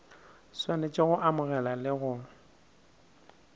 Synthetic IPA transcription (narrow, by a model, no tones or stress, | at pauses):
swanɛt͡ʃʼɪɣʊʔamʊɣɛlalɪɣʊ